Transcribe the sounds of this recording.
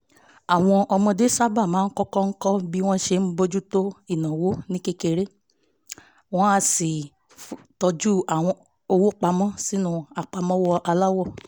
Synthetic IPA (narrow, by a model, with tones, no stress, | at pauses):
a˨w̃ɔ̃˧ʔɔ˧mɔ̃˧de˦sa˦ba˦˨mãː˨˦n̩˦kɔ˦kɔ˦ŋ̩˦kɔ˦bi˦w̃ɔ̃˦ʃe˧m̩˦bo˦d͡ʒu˦to˦i˦˨nã˨wo˨˦nĩ˦ke˦ke˧ɾe˦ | w̃ɔ̃˦a˧si˨ | tɔ˧d͡ʒu˦a˨w̃ɔ̃˧ | o˧wo˦k͡pa˧mɔ̃˦si˦nũ˦a˨k͡pa˧mɔ̃˦wɔ˦ʔa˧la˦wɔ˦˨